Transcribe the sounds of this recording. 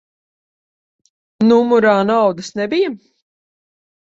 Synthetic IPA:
numuɾaːnawd̪ɨsnɛbijam

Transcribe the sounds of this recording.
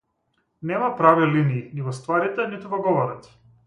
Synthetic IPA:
nɛmapɾaviliniːnivɔst̪vaɾit̪ɛnit̪uvɔɡɔvɔɾat̪

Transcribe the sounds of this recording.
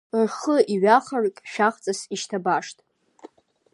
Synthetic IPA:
rχəiɥaχərkʲʼʃᶣaχt͡sʼasiʃtʰabaʂtʼ

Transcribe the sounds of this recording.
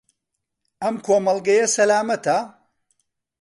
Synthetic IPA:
ɐmkʰoːmɐlˠɡɐjɐsɐlaːmɐt̪ɐ

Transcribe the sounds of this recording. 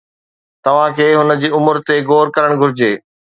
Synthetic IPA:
t̪ɐʋ̤ãkʰeːɦʊnə̆d͡ʑiːʊmʊɾt̪eɡoːɾkɐɾəɽ̃ɡʱʊɾɪd͡ʑeː

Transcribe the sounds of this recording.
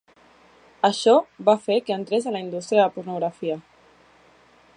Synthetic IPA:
əʃɔβafekeənt̪ɾezələind̪ust̪ɾiəəðəpuɾnuɣɾafiə

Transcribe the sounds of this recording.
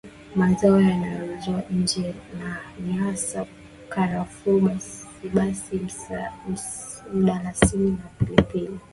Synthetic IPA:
mazaɔjanajɔzɔaɲ̩d͡ʒɛnaɲiasa | kaɾafuɓaiɓasi | uɗalasininapilipili

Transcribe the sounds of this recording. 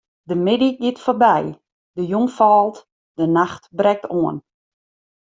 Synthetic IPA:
dəmɪdiɡɪtforbɛj | dəjuŋfaːlˠt | d̥ənaxtbrɛk̚tʰoən

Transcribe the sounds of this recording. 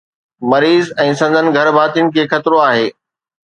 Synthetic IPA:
mɐɾiːzɛ̃ːsɐ̃nd̪ʱənɪ̆ɡʱɐɾbʱaːt̪ijʊnɪ̆kʰeːxɐt̪ɪɾoaːɦeː

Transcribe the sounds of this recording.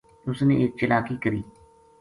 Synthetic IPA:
ʊsnẽːʔɪːk̚t͡ʃɪlaːkiːkəɾiː

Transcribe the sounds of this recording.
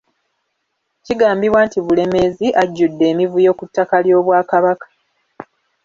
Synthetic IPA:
ciɡaːmbiβwaːntiβule̞me̞ziʔaɟːudːe̞ːmivujo̞ːkutːakaljo̞ːβwaːkaβakḁ

